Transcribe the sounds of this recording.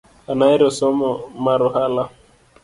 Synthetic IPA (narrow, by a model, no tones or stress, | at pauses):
anaiɾɔsɔmɔmaɾʊhala